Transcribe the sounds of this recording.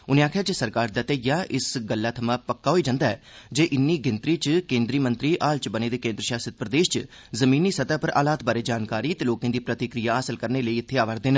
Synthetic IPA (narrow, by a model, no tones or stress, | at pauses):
ʊnẽːaːkʰjaːd͡ʒeːsəɾkaːɾd̪aːt̪eːjaːʔɪsɡəlːaːt̪ʰəmãːpəkːaːɦoːiːd͡ʒãːnd̪aːɛːd͡ʒeːʔɪnːiːɡɪnt̪ɾiːt͡ʃkẽːnd̪ɾiːmənt̪ɾiːʔaːlt͡ʃbəneːd̪eːkẽːnd̪ɾəʃaːsɪt̪̚pɾəd̪eːʃt͡ʃ | zəmĩːniːsət̪aːpəɾʔa̰ːlaːt̪̚baːɾeːd͡ʒaːnkaːɾiːt̪eːloːkãːd̪iːpɾət̪ɪkɾijaːəːsəlkəɾneːləiːɪt̪ʰːeːaːʋəɾd̪eːn